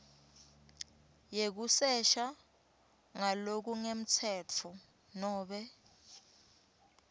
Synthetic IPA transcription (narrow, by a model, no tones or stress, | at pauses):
jek̬usɛʃa | ŋalok̬uŋem̩t͡sʰɛːt͡fʰɔ | nɔːɓɛ